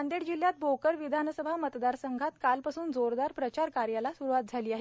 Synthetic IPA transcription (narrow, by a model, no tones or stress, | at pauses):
and̪eɽd͡ʑiljat̪̚bokəɾʋid̪ʱansəbʱamət̪d̪aɾsəŋɡʱat̪kalpasuːnd͡zoɾd̪aɾpɾət͡ɕaɾkaɾjalasuɾuʋat̪̚d͡zʱaliːaɦe